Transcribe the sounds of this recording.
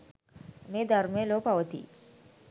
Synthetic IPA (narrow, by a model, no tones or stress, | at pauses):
mid̪ʱəɾmẽlopaʋt̪ḭː